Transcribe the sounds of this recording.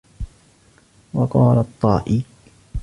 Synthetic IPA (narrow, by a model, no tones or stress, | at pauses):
wɑqɑːlat̪ˤːɑːʔi